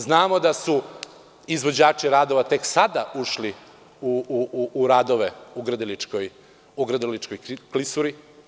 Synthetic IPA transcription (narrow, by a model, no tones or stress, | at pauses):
znaːmod̪asu | izʋo̞d͡ʑaːt͡ʃiɾaːd̪o̞ʋat̪e̞ksad̪auʃli | uː | ɾaːd̪oʋeuɡɾəd̪ilit͡ʃkoj | uɡɾəd̪ilit͡ʃkojklisuɾi